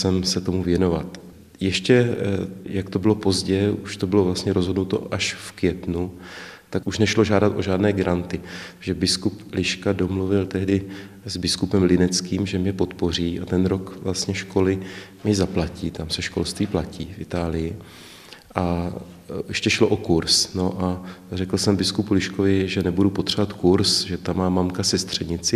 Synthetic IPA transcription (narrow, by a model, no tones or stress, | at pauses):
sɛmsɛt̪o̞muvjɛno̞va̰t̪ | jɛʃcɛ | jakt̪o̞bɪlo̞po̞zɟɛuʃt̪obɪlovlast̪ɲɛɾo̞zɦo̞dnut̪o̞̰ʔaʃfkvjɛt̪nut̪akuʃnɛʃlo̞ʒaːdat̪ʔo̞ʒaːdnɛːɡɾʔant̪ɪʒ̥ɛbɪskuplɪʃkado̞mluvɪlt̪ɛɦdɪ | zbɪskupɛmlɪnɛt͡skiːmʒɛmɲɛpo̞t̪po̞r̝iːʔat̪ɛnɾo̞kvlast̪ɲɛʃko̞lɪmɪzaplaciːt̪amsɛʃko̞̰lst̪viːplaciːfʔɪt̪aːlɪjɪ | ʔa | jɛʃcɛʃlo̞ʔokuɾsno̞ʔarɛkl̩sɛmbɪskupulɪʃkovɪʒɛnɛbudupot̪r̥ɛvat̪kuɾsʒɛt̪amːaːmamkasɛst̪r̝̥ɛɲɪt͡sɪ